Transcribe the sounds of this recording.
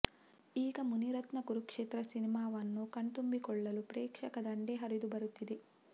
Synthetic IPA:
iːɡɐmuniɾɐt̪nɐkuɾukʂeːt̪ɾɐsinimaːʋɐnːukɐɳt̪umbikɔɭːɐlupɾeːkʂɐkɐd̪ɐɳɖeɦɐɾid̪ubɐɾut̪ːid̪e

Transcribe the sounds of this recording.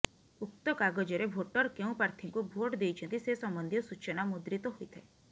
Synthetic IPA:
ukt̪ɔkaɡɔd͡ʒɔɾebʱoʈɔɾkeũpɾaɾt̪ʰiŋkubʱoʈd̪ejt͡ʃʰɔnt̪isesɔmbɔnd̪ʱjɔsut͡ʃɔnamud̪ɾit̪ɔɦojt̪ʰae

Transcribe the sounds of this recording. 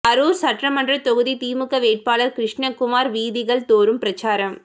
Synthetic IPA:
ɐɾuːɾsɐʈrɐmɐndrɐt̪ɔɣɯðit̪iːmɯkːɐʋeːʈ̚paːlɐɾkɾɪʂɳɐkʊmaːɾʋiːðɪɣɐɭt̪oːɾɯmpɪɾɐt͡ʃaːɾɐm

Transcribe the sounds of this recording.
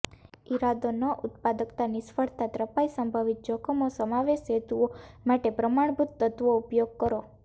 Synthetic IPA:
iɾad̪onəʔʊt̪pad̪əkt̪anisfəɭt̪at̪ɾəpaisəmbʱaʋit̪̚d͡ʒɔkʰomõsəmaʋeʃɦet̪uomaʈepɾəmaɳbʱut̪ːət̪ʋoupjoɡ̚kəɾo

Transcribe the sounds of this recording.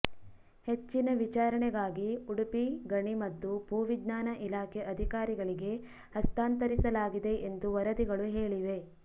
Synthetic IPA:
he̞t͡ʃːinɐʋit͡ʃaːɾɐɳɛɡaːɡiuɽipiɡɐɳimɐt̪ːupuːʋid̪naːnɐʔilaːkʰɛʔɐd̪ʱikaːɾiɡɐɭiɡe̞ | hɐst̪aːnt̪ɐɾisɐlaːɡid̪e̞ʔend̪uʋɐɾɐd̪iɡɐɭuɦeːɭiʋe̞

